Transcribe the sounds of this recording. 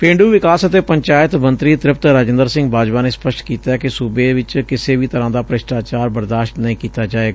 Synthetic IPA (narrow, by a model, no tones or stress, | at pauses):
pẽːɳɖuːʋɪkaːsət̪eːpəɲt͡ʃaːɪət̪mənt̪ɾiːt̪ɾɪpt̪ɾaːd͡ʒɪnd̪əɾsɪ̃ŋɡbaːd͡ʒʋaːneːspəʃʈkiːt̪aːɛːkɪsubeːʋɪt͡ʃkɪseːʋiːt̪əɾãːd̪aːpɾəʃʈaːt͡ʃaːɾbəɾd̪aːʃʈnəĩːkiːt̪aːd͡ʒaːeːɡaː